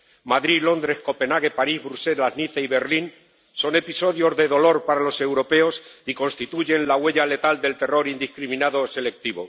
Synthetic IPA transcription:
maðɾilo̞nd̪ɾe̞hko̞pe̞naɣ̞e̞paɾizβɾuse̞lazniθeiβe̞ɾlin | so̞ne̞piso̞ðjo̞zðe̞ðo̞lo̞ɾpaɾalo̞se̞wɾo̞pe̞osiko̞nst̪it̪uʝe̞nlaɣwe̞ʎale̞t̪ald̪e̞lt̪e̞ro̞ɾind̪ihkɾimĩnaðosele̞k̚t̪iβo̰

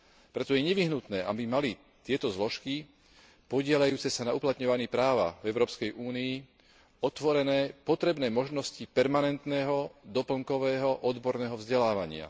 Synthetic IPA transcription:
pɾɛt̪ɔjɛɲɛʋiɦnut̪nɛːʔabimali | t̪ɪɛt̪ɔzlɔʃki | pɔɟɪɛʎajuːt͡sɛsanauplat̪ɲɔʋaniːpɾaːʋa̰vɛʊɾɔːpskɛjʔuːniː | ɔt̪ʋɔɾɛnɛːpɔt̪ɾɛbnɛːmɔʒnɔscipɛɾmanɛnt̪nɛːɦɔd̪ɔpl̩ŋkɔʋɛːɦɔʔɔd̪bɔɾnɛːɦɔvzɟɛlaːʋaɲɪa̰

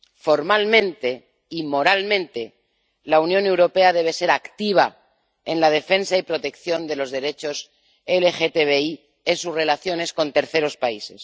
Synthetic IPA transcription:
fo̞ɾmalmẽ̞nt̪e̞ | imo̞ɾalmẽnt̪e̞ | launjõ̞ne̞wɾo̞pe̞að̞e̞β̞e̞se̞ɾakt̪iβ̞a | e̞nlað̞e̞fe̞nsaipɾo̞t̪e̞kθjo̞nd̪e̞lo̞zðe̞ɾe̞t͡ʃo̞s | elexet̪eβei | e̞nsuzre̞laθjo̞ne̞sko̞nt̪e̞ɾθe̞ɾo̞spaise̞s

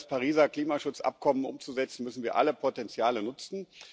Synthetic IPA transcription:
spʰaʁiːzɐkl̥iːmaʃʊt͡sʔa̰p̚kʰɔmənʔʊ̰mt͡suzɛt͡sn̩mʏsn̩viːɐʔa̰ləpʰotɛnt͡sjaːlənʊt͡sn̩

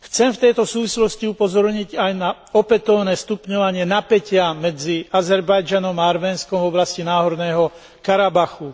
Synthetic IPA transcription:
xt͡sɛmft̪ɛjt̪ɔsuːʋislɔsciupɔzɔɾɲiɟajna | ɔpɛt̪ɔʊnɛːst̪upɲɔʋaɲɪɛnapɛcɪamɛd͡ziazɛɾbajd͡ʒanɔmaaɾmɛːnskɔmvɔblascinaːɦɔd̪nɛːɦɔ | kaɾabaxu

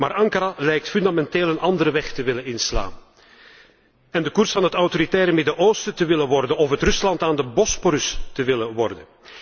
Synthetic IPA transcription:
maːɾɑŋkaɾalɛjk̚tfʏndamɛnteːlənʔɑndəɾəʋɛχtəʋɪlənɪnsla̰ːn | ɛndəkursfɑnɦətawtoɾitɛːɾəmɪdəʔoːstətəʋɪlənʋɔrdənɔfɦətrɵslɑntaːndəbɔspoɾʏstəʋɪləʋɔrdən

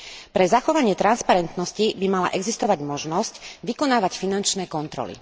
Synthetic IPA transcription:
pɾɛzaxɔʋaɲɪɛt̪ɾanspaɾɛnt̪nɔscibimala̰ʔɛɡzist̪ɔʋaɟmɔʒnɔscʋikɔnaːʋacfinant͡ʃnɛːkɔnt̪ɾɔ̰lḭ

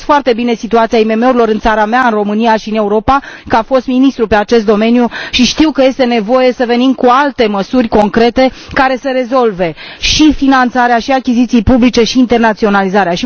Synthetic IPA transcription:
foart̪e̞bine̞sit̪uat̪siaime̞me̞uɾilo̞ɾɨnt̪saɾameaɨnro̞mɨnijaʃiɨne̞uɾo̞pakəafo̞st̪minist̪ɾupe̞at͡ʃe̞s̬t̪d̪o̞me̞njuʃiʃt̪iwkəje̞st̪e̞ne̞vo̞je̞səve̞nimkualt̪e̞məsurʲko̞ŋkɾe̞t̪e̞kaɾe̞seɾe̞zo̞lve̞ʃifinant̪saɾeaʃiakʲizit̪sijpublit͡ʃe̞ʃiːnt̪e̞rnat̪sio̞nalizaɾeaʃi

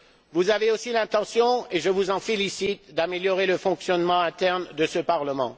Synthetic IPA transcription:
vuzaveosilɛ̃t̪ɑ̃sjɔ̃eʒəvuzɑ̃felisit̪d̪ameljɔʁeləfɔ̃ksjɔnmɑ̃ɛ̃t̪ɛʁnd̪əsəpaʁləmɑ̰̃

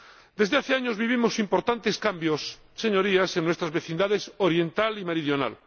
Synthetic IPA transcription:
d̪̥ezðeaθeaɲozβiβimosimpoɾt̪ant̪e̞skambjosː | eɲoɾiaseŋnwest̪ɾazβe̞θĩnd̪aðesoɾjẽ̞nt̪alimeɾiðjona̰l

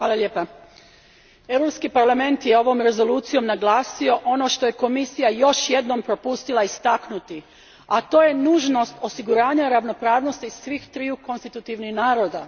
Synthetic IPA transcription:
ʋaːlˠalʲje̞ːpa | e̞wɾo̞pskipaɾlˠame̞nt̪jeo̞ʋo̞mɾe̞zo̞luːt̪sijo̞mnaɡlaːsio̞ʔo̞no̞ʃt̪o̞je̞ko̞misijajo̞ʃjed̪no̞mpɾo̞pust̪ilˠaist̪aknut̪i | at̪o̞ːje̞nuːʒno̞st̪o̞siɡuɾaːɲaɾaʋno̞pɾaːʋno̞st̪isʋixt̪ɾiuko̞nst̪it̪ut̪iʋnixnaːɾo̞ːd̪a

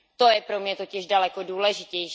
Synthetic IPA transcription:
t̪o̞jɛpɾo̞mɲɛt̪o̞cɪʒdalɛko̞duːlɛʒɪcɛjʃ

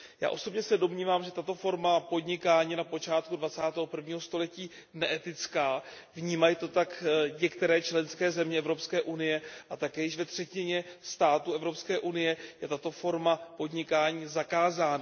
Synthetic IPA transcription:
ja̰ːʔo̞so̞bɲɛsɛdo̞mɲiːvaːmʒɛt̪at̪o̞fo̞ɾmapo̞dɲɪkaːɲiːnapo̞t͡ʃaːt̪̚kudvat͡saːt̪ɛːɦopr̩vɲiːɦo̞st̪o̞lɛciː | nɛʔɛt̪ɪt͡skaː | vɲiːmajit̪o̞t̪akɲɛkt̪ɛɾɛːt͡ʃlɛnskɛːzɛmɲɛɛvɾo̞pskɛːʔunɪjɛʔat̪akɛːjɪʃvɛt̪r̝̥ɛcɪɲɛst̪aːt̪uʔɛvɾo̞pskɛːʔunɪjɛjɛt̪at̪o̞fo̞ɾmapo̞dɲɪkaːɲiːzakaːzaːna

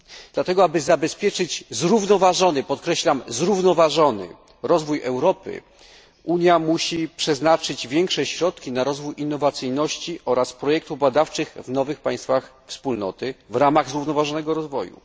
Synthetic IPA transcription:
d̪lat̪ɛɡɔabɘzabɛspʲjɛt͡ʂɘd͡ʑzɾuvnɔvaʐɔnɘpɔt̪̚kɾɛɕlamzɾuvnɔvaʐɔnɘ̰ | ɾɔzvujɛwɾɔpɘ̰ | ʔuɲjamuɕipʂɛznat͡ʂɘd͡ʑvʲjɛŋkʂɛɕɾɔt̪kʲinaɾɔzvujʔinːɔvat̪sɘjnɔɕt͡ɕiʔɔɾaspɾɔjɛk̚t̪uvbad̪aft͡ʂɘxvnɔvɘxpaj̃st̪fax | fspulnɔ̰t̪ɘvɾamaɣzɾuvnɔvaʐɔnɛɡɔɾɔzvɔ̰jṵ

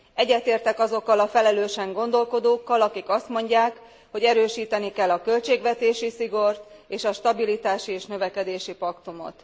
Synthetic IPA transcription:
ɛɟːɛt̪eːrt̪ɛkɒzo̞kːɒlɒfɛlɛløːʃɛŋɡo̞nd̪o̞lko̞d̪oːkːɒlɒkikɒst̪mo̞ɲɟaːk | ho̞ɟɛɾøːʃiːt̪ɛnikɛlːɒkø̞lt͡ʃeːɡʋɛt̪eːʃisiɡo̞rt̪eːʃɒʃt̪ɒbilit̪aːʃieːʃnø̞vɛkɛd̪eːʃipɒkt̪umo̞̰t̪

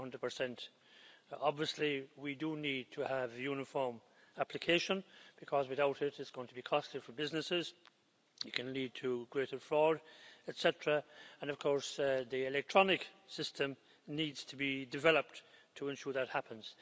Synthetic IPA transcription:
ʌ̃ndɹəd̚pʰə˞sɛ̃nt | ɑbviəsliwidənid̚tʰəəvjʉnɨfɔɹm | aplɨkʰeɪʃə̃nb̥ɨkʰɔzwɨθaʊɾɪɾɪtsɡ̥oʊɪ̃ŋtʰəbikʰɔstifə˞bɪznɨsɪz̥ | ɨt̚kʰɨ̃nlid̚tʰəɡɹeɪɾə˞fɹɔɹdɛtsɛtɹəə̃nʌv̥kʰɔɹsðiɪlɛk̚tʰɹ̥ɑnɪksɪstʰə̃m | nidz̥tʰəbidɨvɛləp̚ttʰəɛ̃nʃʊːɹðət̚hapʰə̃nz̥

